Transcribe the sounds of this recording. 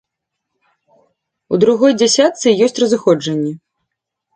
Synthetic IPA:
ud̪ɾuɣɔjd͡zʲasʲat̪sɨjɔsʲt͡sʲrɐzɨxɔd͡ʐɐnʲːɛ

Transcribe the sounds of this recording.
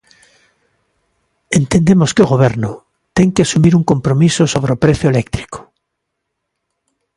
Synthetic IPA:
ent̪end̪emoskeoɣoβ̞eɾno | t̪eŋkeasumiɾuŋkompɾomisosoβ̞ɾeopɾeθjoelekt̪ɾi̥ko̥

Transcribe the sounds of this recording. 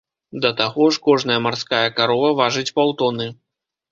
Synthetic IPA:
d̪ɐt̪aɣɔʂkɔʐn̪ɐjɐmarskajɐkaɾɔvɐvaʐɨt͡sʲpawt̪ɔnɨ

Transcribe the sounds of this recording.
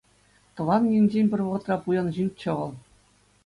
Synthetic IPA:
t̪ɤ̆ʋɑnjinʲd͡ʑenʲpʲɘ̆rʲʋɤ̆ʁɤ̆t̪rɑpujɑnʑinʲt͡ɕɤ̆ʁɤ̆lˠ

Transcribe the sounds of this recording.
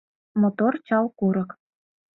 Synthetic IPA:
mot̪ort͡ɕɑlˠkuɾɤ̆k

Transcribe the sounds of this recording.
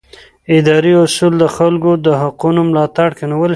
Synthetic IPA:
ɪd̪ɑɾiʊsuld̪əxalɡod̪əɦaqunomlɑt̪aɽkeniwəl

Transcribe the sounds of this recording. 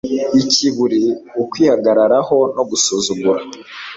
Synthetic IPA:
iciβuɾiukwiːhaɡaɾaɾaho̞noɡusuzuɡuɾa

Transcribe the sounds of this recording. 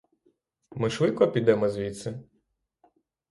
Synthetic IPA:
mɪʃʋɪt̪̚kɔpʲid̪ɛmɔzʲʋʲit̪sɛ

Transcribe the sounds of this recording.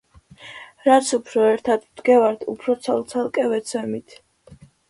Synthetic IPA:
ɾat̪sʰupʰɾɔɛɾt̪ʰad̪md̪ɡɛvaɾt̪ʰṵpʰɾɔt̪sʰalˠt̪sʰalˠkʼɛvɛt̪sʰɛmit̪ʰ

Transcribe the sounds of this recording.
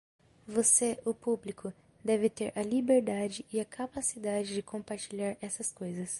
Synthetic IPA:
voseʊpublikʰʊ | d̪ɛvɪt̪eɾʔɐlibeɾd̪ad͡ʒɪɪɐkʰapasid̪ad͡ʒɪd͡ʒɪkʰõmpaɾt͡ʃiʎaɾɛsɐskojzɐs

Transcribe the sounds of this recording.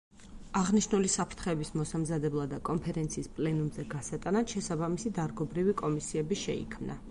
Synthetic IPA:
aʁniʃnulisapʰɾt̪ʰχɛːbismɔsamzad̪ɛblˠad̪akʼɔmpʰɛɾɛnt̪sʰiːspʼlɛnumzɛɡasat̪ʼanat̪ʃɛsabamisid̪aɾɡɔbɾivikʼɔmisiɛbiʃɛ̰ḭkʰmna̰

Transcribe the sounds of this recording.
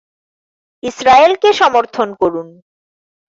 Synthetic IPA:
isɾaelkeʃɔmoɾt̪ʰonkoɾun

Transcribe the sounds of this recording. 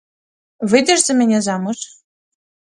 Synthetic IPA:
βɘd̪ʲɘ̆ʒzɘ̆mɘ̆nʲezɑmɤ̆ʃ

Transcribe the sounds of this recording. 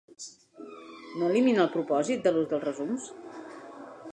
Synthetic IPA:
noəliminəlˠpɾupɔzit̪̚d̪əluzðəlˠzrəzums

